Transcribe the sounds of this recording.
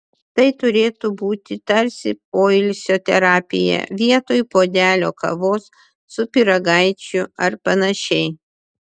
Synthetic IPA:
t̪ɐɪt̪ʊɾʲeːt̪ubuːt̪ʲɪt̪ɐɾʲsʲɪpoːɪlʲsʲoːt̪ʲɛ̰ɾɑːpʲɪ̰jɛ̰ʋʲiɛt̪oːjpoːd̪ʲæːlʲoːkɐ̰ʋoːsː | ʊpʲɪɾɐɡɐɪt͡ʃʲʊɐɾpɐnɐʃʲɛɪ

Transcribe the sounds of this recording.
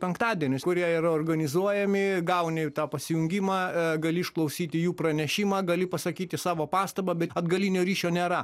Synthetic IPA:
pʲɛŋkt̪ɑːd̪ʲiɛnʲʊskʊɾʲiɛiːrɐoːrɡɐnʲɪzuɔjɛmʲɪɡɐʊnʲɛt̪ɑːpɐsʲɪjʊŋʲɡʲimɑːɡɐlʲɪɪʃklˠɐʊsʲiːt̪ʲɪjuːpɾɐnʲɛʃʲɪmɑːɡɐlʲɪpɐsɐkʲiːt̪ʲɪsɑːʋoːpɑːst̪ɐbɐbʲɛɐd̪ɡɐlʲiːnʲoːɾʲiːʃʲoːnʲeːɾɐ

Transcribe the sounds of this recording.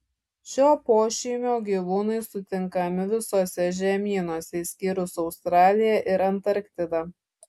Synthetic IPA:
ʃʲoːpoːʃʲiːmʲoːɡʲiːʋuːnɐɪsʊt̪ʲɪŋkɐmʲɪʋʲɪsoːsʲɛʒʲɛmʲiːnoːsʲɛisʲkʲiːɾʊsɒʊst̪ɾɑːlʲɪjɛʔɪɾɐnt̪ɐɾkʲt̪ʲɪd̪ɐ

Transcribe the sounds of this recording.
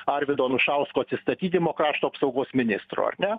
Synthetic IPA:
ɐɾʲʋʲɪd̪oːnʊʃɐʊskoːɐt̪ʲsʲɪst̪ɐt̪ʲiːt̪ʲɪmoːkɾɑːʃt̪uːɐpsɒʊɡoːsmʲɪnʲɪst̪ɾṵːɐ̰ɾʲnʲɛ

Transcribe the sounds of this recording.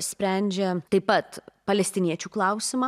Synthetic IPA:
sʲpʲɾʲæˑnʲd͡ʒʲɛt̪ɐɪpɐt̪pɐlʲɛsʲt̪ʲɪnʲiɛt͡ʃʲuːklˠɐˑʊsʲɪmaː

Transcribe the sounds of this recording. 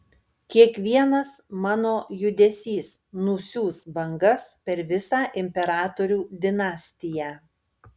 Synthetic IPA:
kʲiɛkʋʲiɛnɐsmɑːnoːjʊd̪ʲɛsʲiːsnʊsʲuːsbɐŋɡɐspʲɛɾʋʲɪsɑːʔɪmʲpʲɛɾɑːt̪oɾʲuːd̪ʲɪnɑːsʲt̪ʲɪjæː

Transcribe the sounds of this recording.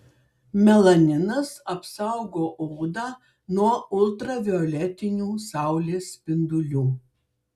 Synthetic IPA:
mʲɛlˠɐnʲɪnɐsɐpsɑʊɡoːʔuːd̪ɑː | nuɔʊlˠt̪ɾɐʋʲɪɔlʲɛt̪ʲɪnʲuːsɑˑʊlʲeːsʲpʲɪnd̪ʊlʲuː

